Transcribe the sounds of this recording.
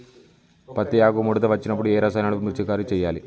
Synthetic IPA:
pɐt̪ːijaːɡumuɽɐd̪ɐʋɐt͡ʃːinɐpːuɽueːɾɐsaːnaːɭmuɾt͡ʃːikːaːɾut͡ʃejːaːli

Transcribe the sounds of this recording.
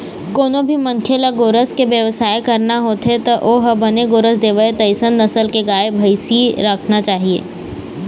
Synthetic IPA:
koːnõbʱimɐ̃ŋkʰjelaɡoːɾəskeʋjəʋəsaːekɐɾnaɦoːt̪ɦet̪oʔoːɦɐbɐneɡoːɾəsd̪eːʋəet̪ɐɪsənːɐsəlkeɡaːebʱɐɪsiɾəkʰnat͡ʃaːɦiḛː

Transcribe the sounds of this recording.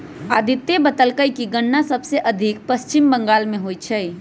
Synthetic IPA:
ad̪ʱit̪ebət̪əlkəjkiɡəɳːasəbseʔəd̪ʱik̚pəst͡ʃimbəŋɡaːlmẽɦojt͡ʃʰɛj

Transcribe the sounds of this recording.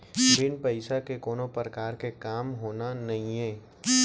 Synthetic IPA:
bɪnpɐɪsakekoːnopɾəkaːɾkekaːmɦoːnanɐɦĩẽː

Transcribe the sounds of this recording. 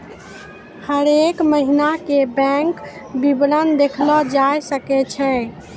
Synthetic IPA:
həɾekməɦinakebɛ̃ŋkbibɾənd̪ekʰlɔd͡ʒajsəkɛt͡ʃʰɛ̃

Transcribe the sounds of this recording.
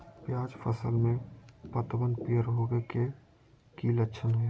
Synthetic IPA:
pjaːd͡ʒpʰəsəlmẽpət̪bənpiəɾɦoːɡeke | kiːləʃʰənɦoe

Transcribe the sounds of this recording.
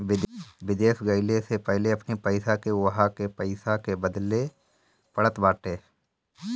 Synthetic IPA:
bɪwɪd̪eːʃɡəɪlesepɛɦleɐpnipəɪsakewɦakepəɪsakebəd̪le | pəɽət̪baːʈeː

